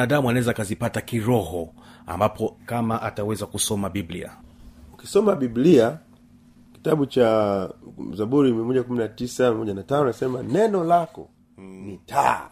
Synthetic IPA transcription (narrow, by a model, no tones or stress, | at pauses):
naɗamuanaɛzaːkazipatakiɾɔhɔa̰mbapʰɔkamaʔatawɛzakusɔmaɓiblḭa̰uki̥sɔmaɓiblia | ki̥taɓut͡ʃa | zaɓuɾimiɛmɔʄakuminatisamimɔʄanatanɔnasɛmanɛnɔlakɔ̰ | nitʰa̰